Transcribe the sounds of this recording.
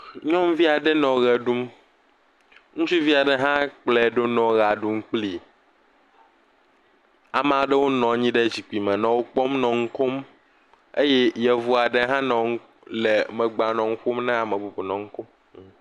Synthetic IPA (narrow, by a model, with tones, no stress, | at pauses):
ɲɔ̃˦m˦vi˦a˨ɖɛ˦nɔ̃˨ɣɛ˨ɖu˦m | ŋũ˦t͡ʃu˦vi˦a˨ɖɛ˦ɦã˦k͡plɛ˨ɖo˦nɔ̃˨ɣa˨ɖu˦m˦k͡pli˨ | a˨m˨a˨ɖɛ˦wo˦nɔ̃˨˦ɲĩ˦ɖe˦d͡ʑi˨k͡pi˨mɛ̃˨nɔ̃˨wo˦k͡pɔ˦mnɔ̃˨ŋ̩˦ko˦m | e˦jɛ˦jɛ˨vu˦a˨ɖɛ˦ɦã˦nɔ̃˨ŋ˦ | lɛ˨mɛ̃˨ɡ͡ba˨nɔ̃˨ŋ̩˦ɸo˦mnɛ̃˦a˨mɛ̃˨bu˨bo˨nɔ̃˨ŋ̩˦ko˦m